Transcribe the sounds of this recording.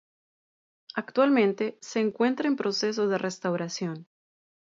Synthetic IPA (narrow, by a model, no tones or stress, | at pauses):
akt̪walmẽ̞nt̪e̞se̞ːŋkwe̞nt̪ɾaempɾo̞se̞s̬o̞ðe̞re̞st̪awɾasjo̞n